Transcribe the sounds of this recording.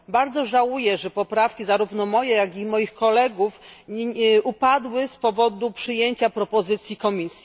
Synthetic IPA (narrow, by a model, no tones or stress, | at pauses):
baɾd̪zɔʐawujɛʐɛpɔpɾafkʲizaɾuvnɔmɔjɛjaɡʲimɔjixkɔlɛɡuf | ʔupad̪wɘspɔvɔd̪upʂɘjeɲt͡ɕapɾɔpɔzɘt̪sʲjikɔmʲisʲji